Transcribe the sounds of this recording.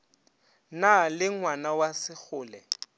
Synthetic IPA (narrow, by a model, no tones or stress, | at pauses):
nalɪŋwanawasɪk͡xʰʊːlɛ